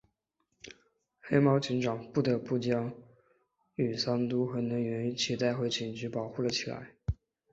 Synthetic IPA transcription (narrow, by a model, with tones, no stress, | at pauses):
xe˥ɪmɑ˧˥ʊt͡ɕʰi˧˥ŋʈ͡ʂɑ˨˩ŋpu˥˩t̪ɤ˧˥pu˥˩t͡ɕjɑ˥ŋ | y˨˩sɑ˥nt̪u˥xɤ˧˥nɤ˧˥ŋɥɛ˧˥ny˧˥t͡ɕʰi˧˥t̪a˥˧ɪxwe˥˩ɪt͡ɕʰi˨˩ŋt͡ɕy˧˥pɑ˨˩ʊxu˥˩lə˩t͡ɕʰi˨˩la̰˧˥ɪ